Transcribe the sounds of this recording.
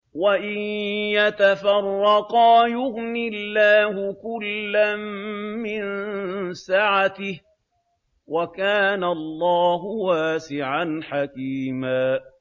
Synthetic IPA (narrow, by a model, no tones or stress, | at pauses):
waʔɪnjat̪afɑrˤːɑqɑːjʊɣnɪlːaːhʊkʊlːamːɪnsaʕat̪ɪh | wakaːnalˤːɑːɦʊwaːsɪʕanħakiːmaː